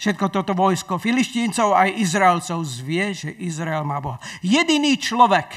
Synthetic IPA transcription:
fʃɛt̪̚kɔt̪ɔt̪ɔʋɔjskɔfilisciːnt͡sɔʊajizɾaɛlt͡sɔʊzʋɪɛʒɛʔizɾaɛlmaːbɔɦajɛd̪iniːt͡ʃlɔʋɛk

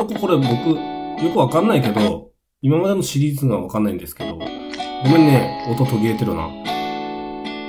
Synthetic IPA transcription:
okoko̞ɾe̞bo̞kɯ̟jo̞kɯ̟βakãnːaike̞d̪o̞ | imamad̪e̞no̞ɕiɾʲiːzɨɡaβakanːaĩnd̪e̞sɨ̥ke̞d̪o̞̰ɡomenːeot̪o̞t̪o̞ɡʲiɾe̞t̪eɾɯ̟na̰

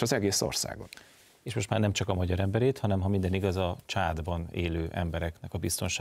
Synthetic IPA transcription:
ɒzɛɡeːso̰rsa̰ːɡo̰t̪ | eːʃmo̞ʃt̪maːrnɛmt͡ʃɒkɒmɒɟɒɾɛmbɛɾeːt̪hɒnɛmɦɒmind̪ɛniɡɒzɒt͡ʃaːd̪bɒnḛːløːʔɛ̰mbɛɾɛknɛkɒbist̪o̞nʃaː

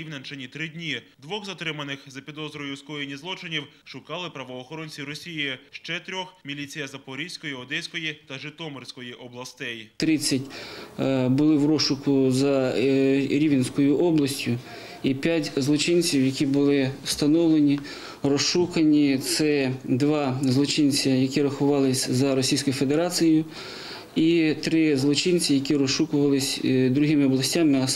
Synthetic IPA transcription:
iwnʲɐnt͡ʃɐnʲit̪ɾɪdʲnʲid̪ʋɔɣzɐt̪ɾɪmɐnɪxzɐpʲid̪ɔzɾɔjʊskɔjenʲizlˠɔt͡ʃɪnʲiw | ʃʊkɑlˠɪpɾɐʋɔːxɔɾɔnʲt͡sʲiɾɔsʲijiɪʃt͡ʃɛt̪ɾʲɔxmʲilʲit͡sʲijɐzɐpɔɾʲisʲkɔjiɔd̪ɛsʲkɔjit̪ɐʒɪt̪ɔmɔrʲsʲkɔjiʔɔblˠɐst̪ɛjt̪ɾɪt͡sʲːɐtʲ | bʊlˠɪwɾɔʃʊkʊzɐ | ɾʲiʋʲɪnsʲkɔjʊʔɔblˠɐsʲtʲʊ | ipʲjatʲzlˠɔt͡ʃɪnʲt͡sʲiwjɐkʲibʊlˠɪst̪ɐnɔwlˠenʲi | rɔsʃukɐnʲit̪sɛd̪ʋɑzlˠɔt͡ʃɪnʲt͡sʲɐjɐkʲiɾɐxʊʋɑlˠɪsʲzɐɾɔsʲijsʲkɔjʊfe̞d̪eɾɑt͡sʲijʊ | it̪ɾɪzlˠɔt͡ʃɪnʲt͡sʲijɐkʲiɾɔsʃukʊʋɐlˠɪsʲd̪ɾʊɦɪmɪɔblˠɐsʲtʲamɪɐ

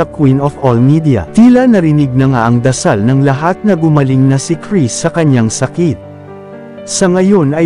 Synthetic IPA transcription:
ɐkwinofolmid̪jɐ̰t̪iːlɐnɐɾɪnɪɡ̚nɐŋaʔɐŋd̪ɐsalnɐŋlɐɦat̪̚nɐɡʊmɐliŋnɐsɪkɹisːɐkɐɲːaŋsɐkit̪̚ | sɐŋɐjo̞nɐ

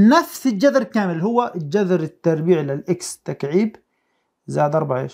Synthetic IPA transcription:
nafsɪd͡ʒad̪ɾkaːmɪlɦʊwːad͡ʒaðɾɪt̪ːɑɾˤbiːʕlɪlʔɪkst̪akʕiːb | zaːd̪ʔɑɾˤbaʕḛːʃ

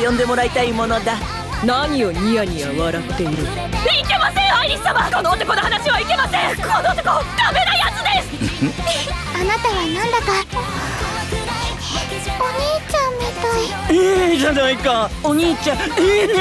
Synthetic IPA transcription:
jõ̞nd̪e̞mo̞ɾait̪aimo̞no̞d̪a | namʲio̞ɲ̟iaɲ̟iβa̰ɯβaɾat̪ːe̞iɾɯ̟ | ike̞masẽɰ̃haiɾʲist̪amakonoːt̪ekonohanaɕiβaike̞masẽkʰonot̪okod̪ame̞najat͡sɨd̪esɨ̥ | anat̪aβanãnd̪aka | oɲ̟iːt͡ɕãmmit̪ai | ʑaaikãoɲ̟iːt͡ɕã

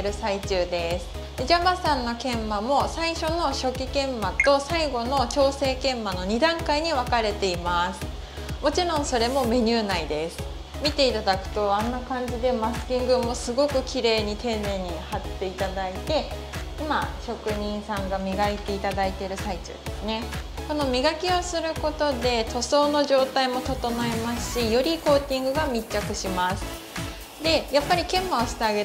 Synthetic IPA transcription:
eɾɯ̟sait͡ɕɨːd̪e̞sɨ̥ | d̪̥e̞d͡ʑabasãnːo̞kẽ̞mːamo̞saiɕo̞no̞ɕo̞kʲikẽ̞mːat̪o̞saiɡo̞no̞t͡ɕo̞ːse̞ːkẽ̞mːano̞ɲ̟id̪ãŋkaiɲ̟iβakaɾe̞t̪e̞imasɨ̥ | mo̞t͡ɕiɾõ̞ɰ̃so̞ɾe̞mo̞me̞ɲ̟ɨːnaid̪e̞sɨ̥ | mʲit̪e̞it̪ad̪akɯ̟̥t̪o̞anːakãɲ̟d͡ʑid̪e̞masɨ̥kʲĩŋɡɯ̟mːo̞sɨɡo̞kɯ̟kʲiɾe̞ːɲ̟it̪ʰe̞neɲ̟ihat̪ːe̞it̪ad̪ait̪e̞ | imaɕo̞kɯ̟ɲ̟ĩɰ̃sãŋɡamʲiɡait̪e̞it̪ad̪ait̪e̞ɾɯ̟sait͡ɕɨ̰ːd̪esɨne̞ko̞no̞mʲiɡakʲiosɨɾɯ̟ko̞t̪o̞d̪e̞t̪ʰo̞so̞ːno̞ʑo̞ːt̪aimo̞t̪o̞t̪o̞noemasɨ̥ɕijo̞ɾʲiko̞ːt̪ʲĩŋɡɯ̟ɡamʲit͡ɕːakɯ̟ɕimasɨ̥ | d̪e̞japːaɾʲikẽ̞mːaoɕi̥t̪eaɡe

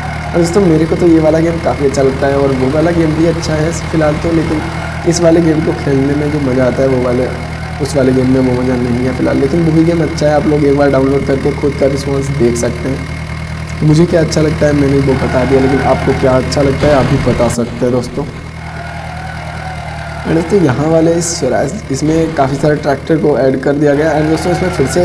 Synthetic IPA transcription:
ɔd̪oːst̪õːmeːɾekot̪ojeʋaːlaɡeːmkaːfiɐtːʃʰalɐɡ̚t̪aɦɛɔːɾʋoʋaːlaɡeːmbʱiɐtːʃʰaɦɛfɪlɦaːlt̪oleːkɪn | ɪsʋaːleɡeːmkokʰeːlnemẽd͡ʒoːmɐd͡ʒaaːt̪aɦɛʋoʋaːle | ʊsʋaːleɡeːmːẽʋomɐd͡ʒanɐɦĩɦɛfɪlɦaːlːeːkɪnboɦiɡeːmɐtːʃʰaɦɛaːploːɡeːk̚baːɾɖaːʊ̃nloːɖkɐɾkexʊd̪̚kaɾɪspãːnsd̪eːkʰsɐk̚t̪eɦɛ̃ː | t̪omʊd͡ʒʱekjaːɐtːʃʰalɐɡ̚t̪aɦɛmɛ̃ːneĩbobɐt̪ad̪ijaleːk̬ɪnʔaːp̚kokjaːɐtːʃʰalɐɡ̚t̪aɦɛaːp̚bibɐt̪asɐk̚t̪eɦɛ̃d̪oːst̪õː | ɛ̰̃ːɖ̪oːst̪õːjɐɦãʋaːleɪssɐɾa̰ːsɪsmẽkaːfisaːɾaʈɾɛːk̚ʈəɾkoɛːɖkɐɾd̪ijaɡɐjaɛ̃ːnd̪oːst̪õːɪsmẽfʰɪɾse

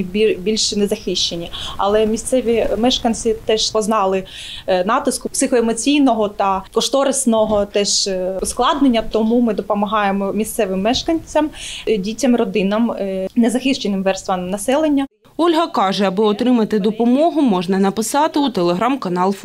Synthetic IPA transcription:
bʲibʲilʲʃnezɐxɪʃt͡ʃenʲiɐ̰lˠɛmʲist̪sɛʋʲimɛʃkɐnʲt͡sʲit̪ɛʃspɔznɑlˠɪ | nɑt̪ɪskʊpsɪxɔemɔt͡sʲijnɔɦɔt̪ɐkɔʃt̪ɔɾesnɔɦɔt̪ɛʃʊsklˠɑd̪nenʲːɐt̪ɔmumɪd̪ɔpɔmɐɦɑjemɔmʲist̪sɛʋɪmːɛʃkɐnʲt͡sʲːɐmdʲitʲɐmrɔd̪ɪnɐmnezɐxɪʃt͡ʃenɪmʋɛrst̪ʋɐnɐsɛlˠenʲːɐ | ɔlʲɦɐkɑʒɛɐbɪɔt̪ɾɪmɐt̪ɪd̪ɔpɔmɔɦʊmɔʒnɐnɐpɪsɑt̪ɪut̪elˠeɦɾamkɐnɑlˠf

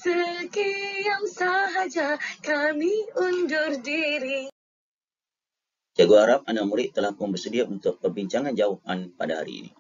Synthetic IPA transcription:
səkijaŋsaɦad͡ʒakamiundʊrdiɾi | d͡ʒaɡoaɾap̚anak̚muɾɪʔ̚t̪əlahpʊnbərsədiaunt̪ʊk̚pərbiɲt͡ʃaŋand͡ʒawapanpadaɦa̰ɾḭḭnḭ

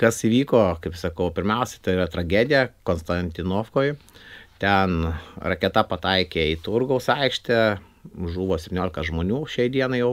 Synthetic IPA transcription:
kɐsiʋʲiːkoːkɐɪpsɐkɐʊpʲɪɾʲmʲɛʊsʲɛ̥t̪ɐɪiɾɐt̪ɾɐɡʲæːd̪ʲɪjɛkoːnst̪ɐnʲt̪ʲɪnoːfkoːjt̪ʲɛnɾɐkʲɛt̪ɐpɐt̪ɐɪkʲeːit̪ʊɾɡɐʊsɐɪkʃʲt̪ʲɛ | ʒuːʋoːsʲɛp̪ʲnʲoːlʲɪkɐʒmoːnʲuːʃʲɛɪd̪ʲiɛnɐɪjɛʊ

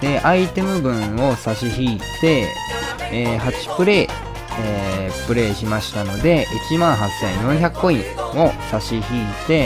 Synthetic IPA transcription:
d̪̥e̞ʔait̪e̞mɯ̟bɯ̟̃ɰo̞saɕiçiːt̪e̞ | eːɦat͡ɕi̥pɯ̟ɾe̞ː | epɯ̟ɾe̞ːɕimaɕi̥t̪ano̞d̪e̞ʔit͡ɕimãɰ̃ɦat͡sḛ̃jõçʲakːo̞ĩo̞saɕiçiːt̪e̞

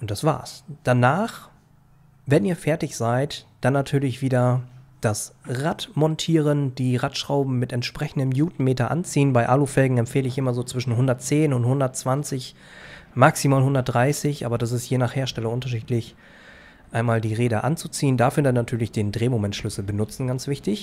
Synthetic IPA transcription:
ʔʊnt̚d̥asv̥a̰ːɐsd̥anaːχ | vɛniːɐfɛɐtɪçz̥aɪtd̥anːatʰyːɐlɪçv̥iːdɐd̥asʁatmɔntʰiːʁəndiːʁatʃʁ̥aʊbm̩ːɪtɛntʃpʁ̥ɛçn̩dəmjuːtn̩meːtɐʔa̰nt͡siːənbaɪʔaːlofɛlɡŋ̩ɛmfeːləɪçʔɪmɐzoːt͡sv̥ɪʃn̩ɦʊndɐt̚t͡seːnʊnthʊndɐtt͡sv̥ant͡sɪç | maksimaːlɦʊndɐt̚dʁaɪsɪçʔa̰ːbɐdas̬ɪstjeːnaːχheːɐʃtɛlɐʔʊntɐʃ̬iːtlɪç | ʔaɪnmaːldiːʁeːdəʔa̰nt͡sut͡siːəndaːfyːɐdanatʰyːɐlɪçd̥eːndʁeːmomɛntʃlʏsl̩bənʊt͡sn̩ɡant͡sv̥ɪçtɪç

